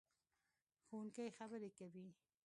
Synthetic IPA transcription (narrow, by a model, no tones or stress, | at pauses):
xowunkajxabəɾekawi